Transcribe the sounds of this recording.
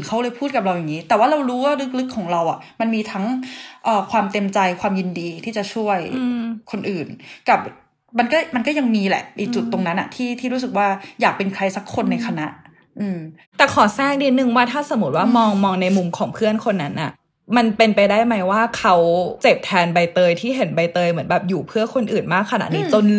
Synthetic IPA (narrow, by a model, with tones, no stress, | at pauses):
nkʰa˦˥wlɤː˧jpʰuː˥˩t̪̚ka˨˩ɾa˧wja˨˩ŋːiː˦˥t̪ɛː˨˩waː˥˩ɾa˧wɾuː˦˥waː˥˩ɾɯ˦˥k̚lɯ˦˥kʰːɔː˩˦ŋɾa˧wʔa˨˩ʔma˧nmiː˧t̪ʰa˦˥ŋʔɤː˨˩kʰwaː˧mt̪e˧mt͡ɕa˧jkʰwaː˧mji˧ndiː˧t̪ʰiː˥˩t͡ɕa˨˩t͡ɕʰu˥˩əjkʰo˧nʔɯː˨˩nka˨˩p̚ | ma˧nkɔː˥˩ma˧nkɔː˥˩ja˧ŋmiː˧lɛ̰˨˩ʔʔiː˨˩k̚t͡ɕu˨˩t̪ːo˧ŋna˦˥nːʔa̰˨˩t̪ʰiː˥˩t̪ʰiː˥˩ɾuː˦s̬ɯ˨˩k̚waː˥˩jaː˨˩k̚pe˧nkʰɾa˧jsa˦˥kʰːo˧nːa˧jkʰa˧na˦˥ʔ | ʔɯː˧m | t̪ɛː˨˩kʰɔː˨˩˦sɛː˥˩ŋ̚diː˧˥nːɯ˨˩ŋwaː˥˩t̪ʰaː˥˩sa˨˩˦mu˦t̪̚waː˥˩mɔː˧ŋmɔː˧ŋna˧jmu˧mkʰɔː˩˦ŋpʰɯ˥˩ənkʰo˧nːa˦˥nʔa˨˩ʔ | ma˧npe˧npa˧jdaː˥˩jma˦˥jwaː˥˩kʰa˦˥wt͡ɕe˨˩p̚t̪ʰɛː˧nba˧jt̪ɤː˧jt̪ʰiː˥˩ɦe˩˦nba˧jt̪ɤː˧jmɯ˩˦ənbɛː˨˩p̚juː˨˩pʰɯ˥˩ɐkʰo˧nʔɯː˨˩nmaː˥˩kʰːa˧na̰˨˩ʔniː˦˥t͡ɕo˧n